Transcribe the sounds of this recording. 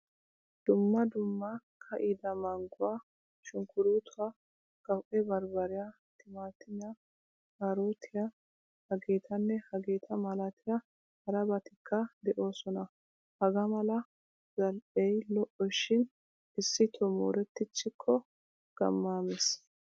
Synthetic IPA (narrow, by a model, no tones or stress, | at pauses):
d̪̥ʊmːɐd̪ʊmːɐkʰɐʔɪd̪ɐmɐŋɡʊwa | ʃʊŋkʊɾuːt̪ʰʊwa | ɡ̥ɐwʔɛbɐɾbɐɾɪja | t̪ɪmaːt̪ɪɲːa | hɐɾoːt̪ʰɪja | hɐɡeːt̪ʰɐnːɛhɐɡe̞ːt̪ʰɐmɐlɐt̪ʰɪjɐ | hɐɾɐbɐt̪ɪkʰːɐd̪ɛʔo̞ːsɔnɐ | hɐɡɐmɐlɐ | zɐlʔɛjlɔʔɔʃɪn | ɪsːɪt̪ʰɔmo̰ːɾɛt̪ːɪt͡ʃːɪkʰːɔ | ɡ̥ɐ̰mːaːmɛs